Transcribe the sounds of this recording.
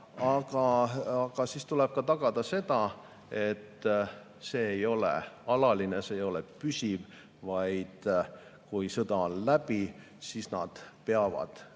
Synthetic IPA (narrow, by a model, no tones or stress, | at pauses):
ɑɡ̥ɑɑɡ̥ɑsiːst̪uleb̥̚kɑt̪ɑɡ̥ɑd̪̥ɑse̞d̪̥ɑ | e̞t̪ː | se̞ːjo̞lḛɑlɑlinese̞ːjo̞lepysʲiv | vɑjd̪̥kujsɤd̪ɑonlæb̥i | siːsnɑ̰d̪̥pe̞ɑvɑ̰d̪̥